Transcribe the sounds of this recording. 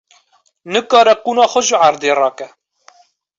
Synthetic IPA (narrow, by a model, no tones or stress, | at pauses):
nɨkɑːɾɛquːnɑːxʷɔʒəʕaɾd̪eːrɑːkɛ